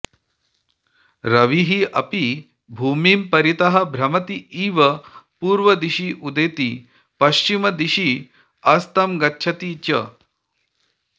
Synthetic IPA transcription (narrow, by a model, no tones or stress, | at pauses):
ɾɐʋiɦiɐpi | bʱuːmiːmpɐɾit̪ɐɦɐ̆bʱɾɐmɐt̪iiːʋɐpuːɾʋɐd̪iʃiʔud̪eːt̪i | pɐʃt͡ʃimɐd̪iʃi | ɐst̪ɐmɡɐtːʃʰɐt̪it͡ʃɐ